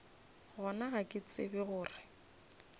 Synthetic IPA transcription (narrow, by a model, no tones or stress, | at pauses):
ɣɔnaɣakʼɪt͡sʼɪ̰bɪɣʊːrɪ